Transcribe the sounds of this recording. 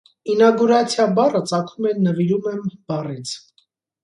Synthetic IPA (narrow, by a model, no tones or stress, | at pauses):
inɑɡuɾɑt͡sʰjɑbɑrət͡sɑkʰumɛnəviɾumɛmb̥ɑrit͡sʰ